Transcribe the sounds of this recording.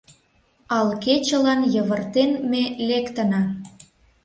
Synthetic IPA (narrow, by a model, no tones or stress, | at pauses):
ɑlket͡ɕə̆lɑnjəβərt̪enmelekt̪ə̆nɑ